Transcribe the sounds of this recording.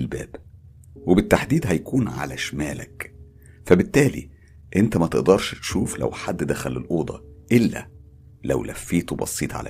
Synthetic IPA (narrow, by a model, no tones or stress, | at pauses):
lbæːb̥ | webɪt̪ːaħd̪iːd̪ɦæjkuːnʕa̰læʃmæːlæk | fæbɪt̪ːæːlḭ | ʔent̪æmæt̪eʔd̪ɑɾˤʃt̪ʃuːflæ̰wħad̪ːd̪æxælelʔoːd̪ˤɑ̰ʔelːæ̰ | læwlʔæ̰fːiːt̪bɑ̰sˤːiːt̪ˤʕa̰læ̰